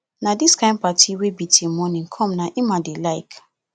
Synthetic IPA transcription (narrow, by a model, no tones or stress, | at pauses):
nadiskãɪ̃nd̚patiwebitʰẽmɔnĩnkʰɔ̃mnaʔimadelaɪk